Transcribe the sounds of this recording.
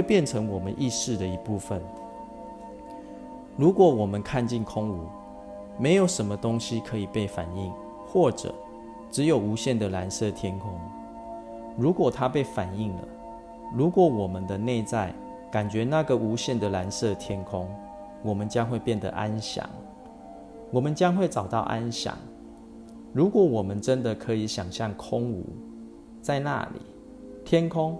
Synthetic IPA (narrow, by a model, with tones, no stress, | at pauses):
we˥˧ɪpjɛ˥˨nʈ͡ʂʰə˧˦ŋwɔ˨˩mə˦nʔi˥˧ʂɻ̩˥˨d̪ə˩i˧˥pu˥˩fə˨n | ɻu˨˦kwɔ˨˩wɔ˨˩mə˨˦nkʰa˥˧nt͡ɕi˥˨nkʰʊ˦˥ŋu˨˦ | me˧˥ɪjo˨˩ʊʂə˧˦˥nmə˧t̪o˦ŋɕi˦kʰɤ˧˦i˨˩pe˥˩ɪfa˨˩ni˥˨ŋ | xwɔ˥˩ʈ͡ʂə̰˨˩ | ʈ͡ʂɻ̩˧˦jo˨˩ʊu˧˥ɕjɛ˥˩nd̪ə˨la˧˦nsɤ˥˨t̪ʰjɛ˥nkʰʊ˦ŋ | ɻu˨˥kwɔ˨˩t̪ʰa˦pe˥˩ɪfa˨˩ni˥˩ŋlə̰˨˩ | ɻu˨˦kwɔ˨˩wɔ˨˩mə˨nd̪ə˨ne˥˧ɪt͡sa˥˩ɪ | ka˨˩nt͡ɕɥɛ˨˧˦na˥˨ɡə˨ʔu˧˥ɕjɛ˥˩˨nd̪ə˨la˧˦nsɤ˥˨t̪ʰjɛ˦˥nkʰʊ˦ŋ | wɔ˨˩mə˦nt͡ɕjɑ˦˥ŋxwe˥˧ɪpjɛ˥˨nd̪ə̰˨˩ʔa˦nɕjɑ̰˨˩˦ŋ | wɔ˨˩mə˨nt͡ɕjɑ˦ŋxwe˥˩ɪt͡sɑ˨˩ʊt̪ɑ˥˨ʊʔa˦nɕjɑ̰˨˩ŋ | ɻu˨˥kwɔ˨˩˦wɔ˨˩mə˦nʈ͡ʂə˦nd̪ə˨kʰɤ˨˧˦i˨˩ɕjɑ˨˩ŋɕjɑ˥˨ŋkʰʊ˦ŋṵ˧˩˦ | t͡sa˥˧ɪna̰˥˨lḭ˨˩˦ | t̪ʰjɛ˦˥nkʰʊ˦˥ŋ